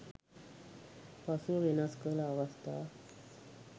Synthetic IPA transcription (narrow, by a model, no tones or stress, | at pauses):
pasuʋinaskəlawast̪a̰